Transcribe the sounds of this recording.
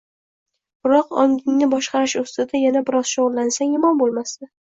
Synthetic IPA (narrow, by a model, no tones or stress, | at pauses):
b̥ɪɾɒqɒŋɪŋnɪbɒʃqɑɾɪʃʊst̪ɪd̪ajanabɪɾɒz̥ʃoʁʊlˠlːansaŋjʊmɒnbolˠmast̪a